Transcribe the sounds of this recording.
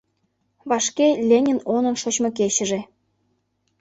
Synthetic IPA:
βɑʃkelʲenʲinonə̆nʃot͡ɕmɤ̆keɕə̆ʒe

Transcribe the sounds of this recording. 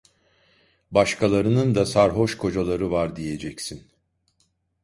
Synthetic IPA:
baʃkʰalˠaɾɯnɯnd̪asaɾɦo̞ʃkʰo̞d͡ʒalˠaɾɯvaɾd̪ije̞d͡ʒɛcsin

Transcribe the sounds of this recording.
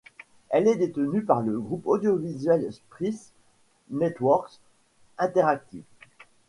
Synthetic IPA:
ɛlɛd̪et̪ənypaʁləɡʁupod̪jovizɥɛlspχis | nɛt̪wɔʁks | ɛ̃t̪ɛʁak̚t̪ḭf

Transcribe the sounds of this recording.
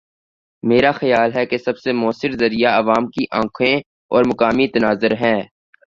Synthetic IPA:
meːɾaxɐjaːlɦɛkesɐbsemʊːəsɪɾzɐɾijaɐʋaːmkiʔãːkʰẽ | ɔːɾmɐkaːmit̪ɐnaːzəɾɦɛ̃ː

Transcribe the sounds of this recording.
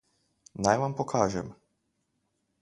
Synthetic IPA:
najʋampokʰaːʒɛm

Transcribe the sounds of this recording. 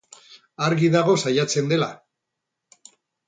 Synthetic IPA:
aɾɣiðaɣ̞o̞sajat͡se̞nd̪e̞la̰

